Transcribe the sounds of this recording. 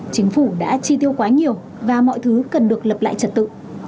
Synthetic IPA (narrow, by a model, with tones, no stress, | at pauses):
t͡ɕï˨˦ŋ̟fu˧˩ɗa̰ː˧˥t͡ɕi˧t̪i˧əwkwaː˨˦ɲi˨˩əw | vaː˨˩mɔ̰˧˨jt̪ʰɨ˨˦kə˨˩nɗɨ˨˩ək̚lə˨˩p̚la̰ː˧˨jt͡ɕə˨˩t̚t̪ɨ̰˧˨